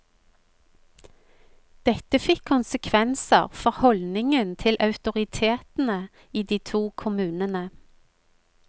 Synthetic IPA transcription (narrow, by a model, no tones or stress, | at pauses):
d̪̥ɛt̪əfɪkʰːʊnsəkʰʋɛnsə̰ʁfɔʁhɔlnɪŋənt̪ʰɪlʔɑʉt̪ʊʁɪt̪ʰeːt̪n̩ə | iːd̪iːt̪ʰuːkʰʊmʉːnənə